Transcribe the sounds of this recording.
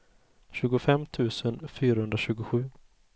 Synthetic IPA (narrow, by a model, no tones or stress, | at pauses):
ɕʉ̟ːɡʊfɛmt̪ʰʉ̟ːsənfyːɾahɵnd̪ɾaɕʉ̟ːɡʊɧʉ̟ː